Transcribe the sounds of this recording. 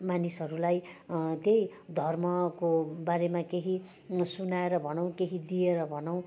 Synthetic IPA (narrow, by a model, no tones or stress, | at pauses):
manisɦʌɾulajt̪jejd̪ʱʌrmʌkobaɾemakeɦi | sunaeɾʌbʱʌnaw̃keɦid̪ieɾʌbʱʌnʌw̃